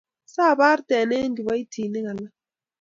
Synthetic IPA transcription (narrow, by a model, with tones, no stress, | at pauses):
sa˦˨ba˦ɾtɛ˨ne˦n˦di˨wa˦i˦tʰiː˨nɛ˦ŋa˨la˦